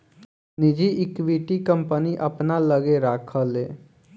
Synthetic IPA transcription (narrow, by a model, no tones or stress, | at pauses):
nɪd͡ʒiʔɪkʋiʈikə̃mpəniʔəpnaləɡeɾakʰəleː